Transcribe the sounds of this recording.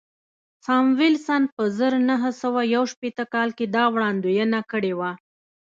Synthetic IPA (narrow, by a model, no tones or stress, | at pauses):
sɑmwɪlsanpəzəɾnaɦəsawajawʃpet̪əkɑlked̪ɑwɽɑnd̪ojənakəɽewa